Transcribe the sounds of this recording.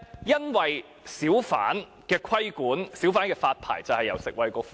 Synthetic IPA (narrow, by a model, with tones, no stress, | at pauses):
jɐ˥nwɐ˨j | siː˨˥wfa̰ː˨˥n | kɛː˧kʰɐ˥jkuː˨˥nsi˨˥wfaː˨˥nkɛː˧faː˧t̚pʰa̰ː˨˩jt͡sɐ˨whɐ˨jːɐ̰˨wsɪ˨k̚wɐ˨jkɔː˧f